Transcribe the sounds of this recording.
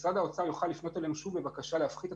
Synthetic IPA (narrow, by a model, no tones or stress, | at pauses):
sad̪ao̞t͡sajoχalːifno̞t̪elemʃubebakaʃaleafχit̪a